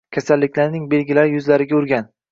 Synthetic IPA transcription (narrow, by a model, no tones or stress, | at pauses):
kʲʰasalːɪkʲlaɾnɪŋbe̞lɡʲɪlaɾɪjʊzlaɾɪɡʲaʊɾɡʲan